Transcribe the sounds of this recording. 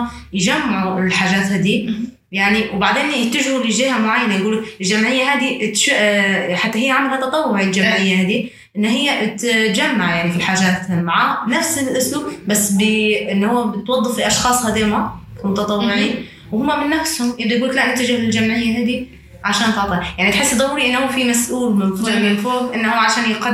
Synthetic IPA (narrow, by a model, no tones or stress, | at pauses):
jʒamːʕulħaːʒaːt̪haːd̪i | jaʕniwbaʕd̪eːnjɪt̪ːaʒhuliʒiːhamʊʕajːanajɡuːlkɪlʒamʕɪjːaɦaːd̪it̪ʃħat̪ːaɦɪjːaʕamalhat̪ːɑt̪ˤɑwːʊʕild͡ʒamʕɪjːahaːd̪i | ʔɪnːhɪjːat̪d͡ʒamːaʕjaʕnifilħaːʒaːt̪maʕaːnafsɪlʔʊslubbasːbɪʔɪnːhʊwːabɪt̪wɑd̪ˤːɨfiʔɑʃxɑːsˤhaːd̪eːmamʊt̪ɑt̪ˤɑwːɪʕi | whʊmːamɪnːafshʊmjɪbd̪ˤajɡuːlklaʔnɪt̪ːad͡ʒɪhlɪld͡ʒamʕɪjːaɦaːd̪i | ʕaʃaːnt̪ɑʕt̪ˤɑjaʕnit̪ħɪsːd̪ˤɑhuːɾiʔɪnːhʊwːfimasʔuːlmɪnfumɪnfoːbʔɪnːhuːʕaʃaːnjɪqa